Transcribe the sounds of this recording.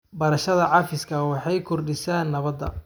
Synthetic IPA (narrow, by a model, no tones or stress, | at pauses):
bɐɾɐʃɐðɐʕɑfɪskʰɐwɑħɑjkʰɔrɖɪsaːnːɐβɐd̪ːɐ̰